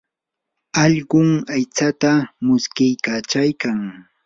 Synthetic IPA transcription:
ɑʎɢʊŋajt͡sat̪amʊskɪjkat͡ʃajkaŋ

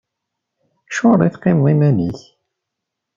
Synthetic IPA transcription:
ʃʊɾˤiθqːɪmðˤimæniç

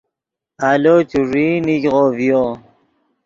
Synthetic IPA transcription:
alot͡ɕuʐiːnikʁoːvijo

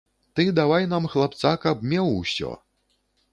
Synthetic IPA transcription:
t̪ɨd̪avajnamxlˠap̚t̪sakɐb̚mʲɛwsʲɔ̰

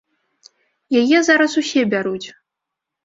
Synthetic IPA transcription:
jajɛzaɾɐsusʲɛbʲaɾut͡sʲ

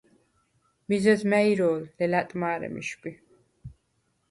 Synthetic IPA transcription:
mizɛzmɛiɾɔːlːɛlat̪ʼmaːɾɛ̰mḭʃbʼi

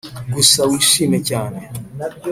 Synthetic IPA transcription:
ɡusawiːʃiːme̞caːne̞

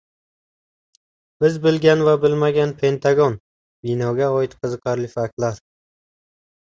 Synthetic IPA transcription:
b̥ɪzbɪlɡʲanvabɪlmaɡʲanpʰe̞nt̪ʰaɡɒn | bɪnɒɡʲaɒɪt̪qʰɨzɨqʰɑɾlɪfak̚t̪laɾ

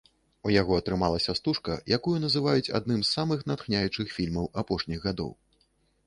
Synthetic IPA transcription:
ujaɣɔɐt̪ɾɨmalˠɐsʲɐst̪uʂkɐ̰jʔakujunɐzɨvajut͡sʲa̰d̪̚nɨmsːamɨxnat̪xnʲajut͡ʂɨxfʲilʲmɐwapɔʂnʲiɣɣad̪ɔ̰w

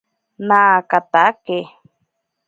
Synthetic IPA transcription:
nakat̪ake

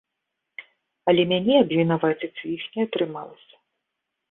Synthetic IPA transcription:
ɐlʲɛmʲanʲɛɐbvʲinavat͡sʲɐt͡sʲixnʲɛɐt̪ɾɨma̰lˠɐsʲɐ̥

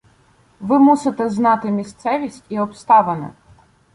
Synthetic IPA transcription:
ʋɪmusɪt̪ɛznɑt̪ɪmʲist̪sɛʋʲisʲtʲiɔpst̪ɑʋɐnɐ̰

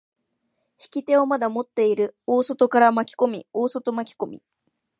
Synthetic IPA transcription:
çi̥kʲit̪e̞o̞mad̪amo̞t̪ːe̞iɾɯ̟o̞ːso̞t̪o̞kaɾamakʲi̥ko̞mʲio̞ːso̞t̪o̞makʲi̥ko̞mʲḭ

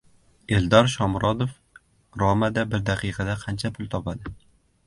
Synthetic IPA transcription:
e̞ld̪ɒɾʃɒmɾɒd̪of | ɡɾɒmad̪abɪɾd̪aqʰɨjqʰɑd̪aqʰɑnt͡ʃʰapʰʊlˠt̪ʰɒpad̪ɪ

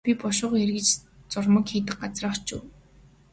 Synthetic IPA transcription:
pʲipɔʃʊːʁerɣɘ̆t͡ɕ | t͡sʊrmə̆kxiːt̪ɘ̆k̚ɢat͡srə̆ːt͡ɕʊ̰ː

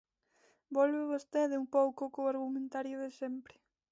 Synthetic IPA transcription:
bɔlβeβost̪eðeuŋpowkokoaɾɣumẽnt̪aɾjoðesempɾɪ

